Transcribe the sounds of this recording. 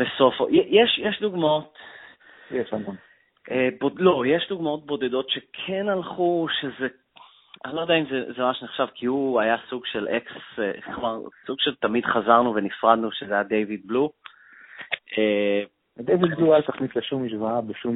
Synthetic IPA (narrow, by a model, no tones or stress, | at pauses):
b̥eso̞fo̰jɛjeʃjeʃduɡmaot | jeʃamon | ʔebodlo̞jeʃduɡmao̞t̚bo̞d̪e̞do̞tʃekʰe̞nalχuʃeze | anilojdɛjaimzezemamaʃneχʃavkʰiuajasuɡʃe̞lekseχmaʁsuɡʃelt̪amid̪χazaʁnuvenifʁadnuʃezejad̪ejvid̪̚blu | e | ad̪ejvid̪̚blualt̪aχnit̪leʃumiʃvaabeʃum